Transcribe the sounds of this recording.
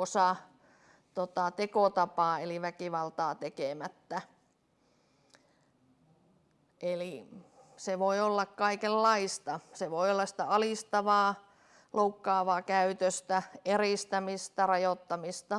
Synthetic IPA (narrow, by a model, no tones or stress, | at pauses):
osɑ | t̪ot̪ɑt̪ekot̪ɑpɑːeliʋækiʋɑlt̪ɑːt̪ekemæt̪ːæ | ʔeliseʋoiolːɑkkɑikelːɑist̪ɑseʋoiolːɑsi̥t̪æɑliˑst̪ɑʋɑː | loukːɑːʋɑːkæyt̪øst̪æeriˑst̪æmist̪ærɑjot̪ːɑmist̪ɑ